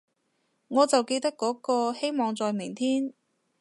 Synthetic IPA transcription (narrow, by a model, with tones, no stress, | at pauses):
ŋɔː˨˧t͡sɐ˨wke˧jt̪ɐ˥kːɔː˨˥kɔː˧he˥jmɔː˨˩ŋt͡sɔː˨jmɪ˨˩ŋt̪ʰiː˥n